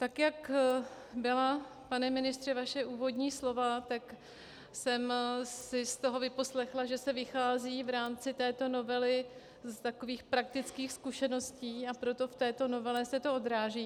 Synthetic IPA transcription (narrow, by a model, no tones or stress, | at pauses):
t̪akjak | bɪla | panɛmɪnɪst̪r̥ɛvaʃɛʔuːvo̞d̪ɲiːslo̞vat̪ak | sɛmsɪst̪o̞ɦo̞vɪpo̞slɛxlaʒɛsɛvɪxaːziːvɾaːmt͡sɪt̪ɛːt̪o̞no̞vɛlɪ | st̪ako̞viːxpɾak̚t̪ɪt͡skiːxskuʃɛno̞sciːapɾo̞t̪o̞ft̪ɛːt̪o̞no̞vɛlɛsɛt̪o̞o̞d̪ɾaːʒiː